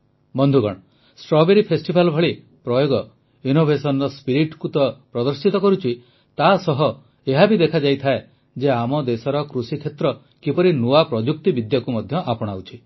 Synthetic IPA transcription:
bɔnd̪ʱuɡɔɽ̃ɔ | sʈɾɔbeɾipʰesʈibʱalbʱɔɭi | pɾɔjoɡɔ | inobʱesɔnɔɾɔspiɾiʈkut̪ɔpɾɔd̪ɔɾsit̪ɔkɔɾut͡ʃʰi | t̪asɔɦɔ | eɦabid̪ekʰad͡ʒajt̪ʰae | d͡ʒeamɔd̪esɔɾɔkɾusikʰet̪ɾɔ | kipɔɾinuapɾɔd͡ʒuk̚t̪ibid̪jakumɔd̪ʱjɔʔapɔɽ̃awt͡ʃʰi

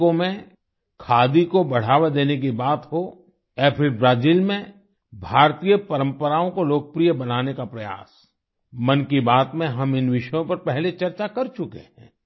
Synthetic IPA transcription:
õmẽ | kʰaːd̪ikobɐɽ̤aːʋed̪eːnek̬ibaːt̪ɦo | ɛːpʰɪɾbɾaːziːlmẽ | bʱaːɾt̪ijəpɐɾə̃mpəɾaːõkoloːk̚pɾijəbɐnaːnekapɾɐja̰ːs | mɐnkibaːt̪mẽɦɐmɪnʋɪʃəjõpɐɾpɛɦlet͡ʃɐɾt͡ʃakɐɾt͡ʃʊkḛhɛ̰̃ː

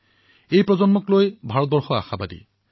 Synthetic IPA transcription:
ejpɹɔzɔnmɔklojbʱaɹɔt̪̚bɔɹxɔa̰xabadḭ

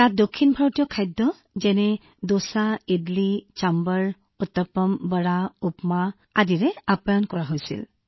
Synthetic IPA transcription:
tat̚dokʰːinbʱaɹɔtijɔkʰajdːɔ | zɛnɛ | dosaedlit͡ʃambəɹ | ɔtːɔpɔmbəɹaupma | adiɹɛapɔjɔnkɔɹaɦojsḭl

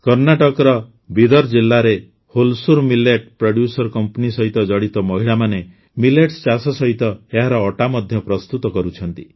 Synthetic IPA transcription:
kɔɾnaʈɔkɔɾɔ | bid̪ɔɾd͡ʒilːaɾe | holsuɾmileʈ̚pɾoɽjusɔɾkɔmpɔnisɔɦit̪ɔd͡ʒɔɽit̪ɔmɔɦiɭamane | mileʈst͡ʃasɔsɔɦit̪ɔeɦaɾɔːʈamɔd̪ʱjɔpɾɔst̪ut̪ɔkɔɾut͡ʃʰɔnt̪i

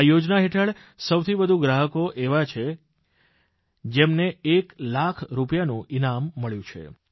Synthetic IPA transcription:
jod͡ʒnaɦeʈʰəɭ | səwt̪ʰibəd̪ʱuɡɾaɦəkoʔeʋat͡ʃʰe | d͡ʒemneeklakʰɾupjanũinamːəɭjũt͡ʃʰḛ

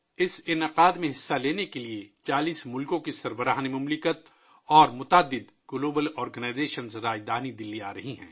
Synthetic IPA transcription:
ɪsɪnɪqaːd̪mẽɦɪsːaleːnekeliet͡ʃaːliːsmʊlkõkisɐɾbəɾaːɦnemʊmlɪkət̪̚ | ɔːɾmʊt̪aːd̪ːɪd̪ | ɡloːbəlɔːɾɡənaɪzeːʃənzɾaːd͡ʒd̪aːnid̪ɪlːiaːɾɐɦiɦɛ̰̃ː

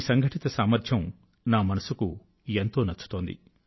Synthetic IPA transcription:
sɐŋɡʱɐʈit̪ɐsaːmɐɾd̪ʰʱjɐm | naːmɐnɐsuku | ent̪o̞ːnɐt͡ʃːu̥t̪o̞ːnd̪ḭ

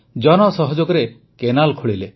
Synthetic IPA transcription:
d͡ʒɔnɔsɔɦɔd͡ʒoɡɔɾe | kenalkʰoɭile

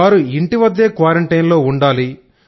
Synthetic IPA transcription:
aːɾuiɳʈiʋɐd̪ːe̞ːkʋaːɾeɳʈɐjnlo̞ːuɳɖaːli

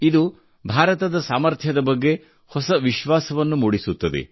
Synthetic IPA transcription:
id̪u | bʱaːɾɐt̪ɐd̪ɐsaːmɐɾt̪ʰjɐd̪ɐbɐɡːe̞ | hɔsɐʋiʃʋaːsɐʋɐnːumuːɽisut̪ːɐd̪ḛ

